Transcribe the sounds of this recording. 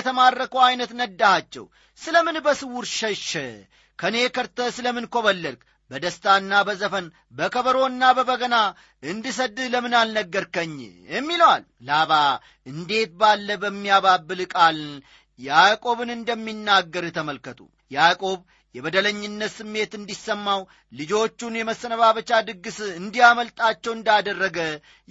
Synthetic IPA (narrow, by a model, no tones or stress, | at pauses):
t̪ʰəmarːəkəwajnət̪nəd̪ːahat͡ʃːɛ̰w | sɨləmɨnbəsɨwuɾʃəʃɛ | kʰənekʰəɾt̪əsɨləmɨnkʰo̞βəlːəɾk | bəd̪əst̪ʰanːabəzəfən | bəkʰəβəɾo̞nːabəβəɡəna | ʔɨnd̪ɨs̬əd̪ɨləmɨnalnəɡːəɾkəɲːjɛmːiləwal | laβa | ɨnd̪e̞t̪̚balːəbəmːijaβabːɨlkʼal | jakʼo̞βɨnɨnd̪əmːinːaɡːəɾjɛt̪ʰəməlkət̪ʰʼṵ | jakʼo̞β | jɛβəd̪ələɲːɪnːət̪sɨmːe̞t̪ɨnd̪isːəmːaw | lɨd͡ʒo̞t͡ʃːunjɛməsːənəβaβət͡ʃad̪ɨɡːɨsɨnd̪ijaməlt̪ʼat͡ʃːɛwɨnd̪ad̪ərːəɡə